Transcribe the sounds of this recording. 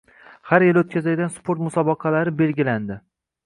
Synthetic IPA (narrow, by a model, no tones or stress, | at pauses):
haɾjɪlɵt̪̚kʲʰazalɡʲanspʰoɾt̪mʊsɒbɑqʰɑlaɾɪbe̞lɡʲɪland̪ɪ